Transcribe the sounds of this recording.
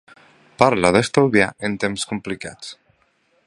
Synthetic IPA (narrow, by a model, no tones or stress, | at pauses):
paɾlaðest̪owðja̰ent̪emskumplika̰t͡s